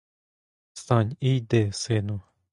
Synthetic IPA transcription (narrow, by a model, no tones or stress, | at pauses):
st̪anʲid̪esenu